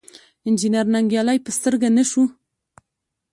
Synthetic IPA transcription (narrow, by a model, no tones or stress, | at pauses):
ɪnd͡ʒineɾnaŋɡjɑlɑjpəst̪əɾɡanəʃu